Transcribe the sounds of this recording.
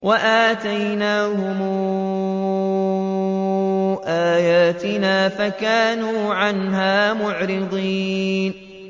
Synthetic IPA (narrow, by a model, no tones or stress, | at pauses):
waʔaːt̪ajnaːhʊmː | ʔaːjaːt̪ɪnaːfakaːnuːʕanɦaːmʊʕɾɪd̪ˤiːn